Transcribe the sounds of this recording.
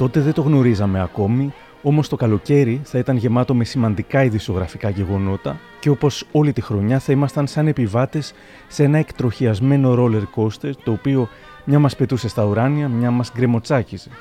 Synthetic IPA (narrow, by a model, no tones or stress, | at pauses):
t̪o̞t̪e̞ðet̪o̞ɣno̞ɾizɐme̞ɐko̞mi | o̞mo̞st̪o̞kɐlo̞ce̞ɾiθɐit̪ɐnʝe̞mɐt̪o̞me̞simɐnd̪ikɐiðiso̞ɣɾɐfikɐʝe̞ɣo̞no̞t̪ɐ | ceo̞po̞so̞lit̪ixɾo̞ɲɐθɐimɐst̪ɐnsɐne̞pivɐt̪e̞sː | ee̞nɐekt̪ɾo̞çiɐzme̞no̞ɾo̞le̞ɾko̞st̪et̪o̞ːpio̞ | mɲɐmɐspe̞t̪use̞st̪ɐuɾɐniɐmɲɐmɐzɡɾe̞mo̞t͡sɐcize̞